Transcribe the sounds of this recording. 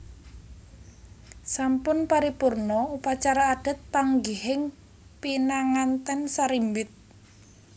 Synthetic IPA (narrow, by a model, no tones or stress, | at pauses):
sampʊnpaɾipʊrnɔupat͡ʃaɾaːɖ̥ə̤t̪̚paŋɡihɪŋ | pinaŋant̪ɛnsaɾimbɪt̪̚